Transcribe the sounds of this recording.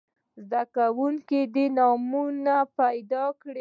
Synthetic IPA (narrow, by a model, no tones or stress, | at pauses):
zd̪akawuŋked̪enɑmunapajd̪ɑkɽe